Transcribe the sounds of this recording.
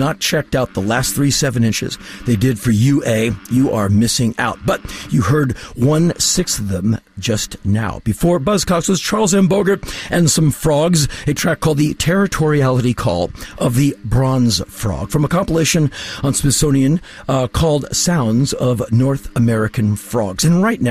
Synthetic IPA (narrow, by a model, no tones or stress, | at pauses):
nət̚t͡ʃʰɛk̚taʊt̪̚ðəlæstθɹisɛvɨ̃nɪ̃nt͡ʃɪ̰zðeɪdɪd̥fə˞jʉʔeɪjɨʔə˞mɪsɪ̃ŋa̰ʊt̚b̥ʌt͡ʃ̚ɨɦɜ˞d̚wʌ̃nsɪksʌvðə̃m | d͡ʒʌstna̰ʊb̥ɨfɔɹbʌz̥kʰɑkswʌz̥t͡ʃʰɑɹlˠzɛ̃nboʊɡə˞ʔɨ̃nsʌ̃ɱfɹɔɡzɨtʰɹ̥ækʰːɔlˠd̪̚ðɨtʰɛɹɨtʰɔɹiælˠəɾikʰɔ̰lˠʔʌvðɨbɹɑ̃nz̥fɹɔ̰ɡ̥fɹʌ̃məkʰɑ̃mpəleɪʃɨ̃nə̃nspɨsõʊ̃ñiɨ̃n | kʰɔlˠdsãʊ̃ndzʌvnɔɹθəmɛɹɨkɨ̃n̩fɹɔ̰ɡz̥ɨ̃nɹaɪtⁿna